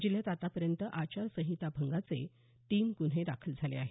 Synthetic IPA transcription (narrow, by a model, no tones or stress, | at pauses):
d͡ʑilet̪at̪apəɾjənt̪əʔat͡ɕasəɦit̪abʱəŋɡat͡sḛ | ʈiːmkuɽ̤ed̪akʰəld͡zʱalḛaɦe